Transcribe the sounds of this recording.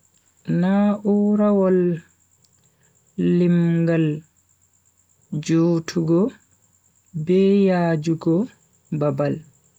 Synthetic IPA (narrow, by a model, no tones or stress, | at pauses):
naːʔuɾawɔl | imɡal | d͡ʒuːtʰuɡɔ | bɛjaːd͡ʒuɡɔ | babal